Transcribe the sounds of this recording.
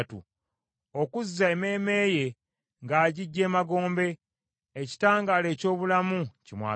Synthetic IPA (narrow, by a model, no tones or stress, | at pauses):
tṵ | o̞kuzːaeme̞ːme̞ːje̞ | ŋɡaːɟiɟːe̞ːmaɡo̞ːmbe̞ː | ci̥taːŋɡaːle̞ːco̞ːβulamucimwa̰ː